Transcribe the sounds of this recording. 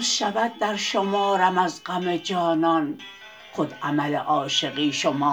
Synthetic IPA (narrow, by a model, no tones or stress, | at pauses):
ʃævæd̪̚ːæɾʃomɒːɾæmæzɡæmed͡ʒɒːnɒːn | xod̪ʔæmæleʔɒːʃeɣiːʃomɒː